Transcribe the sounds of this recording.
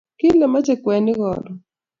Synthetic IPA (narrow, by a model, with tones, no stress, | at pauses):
kɪ˦lɛ˨ma˦t͡ʃɛ˨kwɛ˨nɪ˦ɣɔ̰˨ɾɔ˨